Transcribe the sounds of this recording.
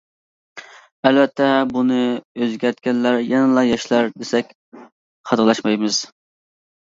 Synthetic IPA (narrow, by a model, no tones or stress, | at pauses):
ɛlvɛt̪ʰːɛbunɨøzɡʲæɾt̪̚kʲɛnlæɾjɛnɨlˠɑjɑʃlˠɑɾd̪esɛkʲ | χʰɑd̪lˠɑʃmɑjmɨz̥